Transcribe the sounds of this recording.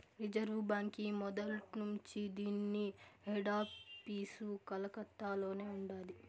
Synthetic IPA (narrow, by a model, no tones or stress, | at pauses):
ɾid͡ʒɐɾʋbaːŋkimɔd̪ɐlʈnuɲt͡ʃid̪iːnːieɖaːppiːsukɐlɐkɐt̪ːaːlo̞ːne̞ːuɳɖaːli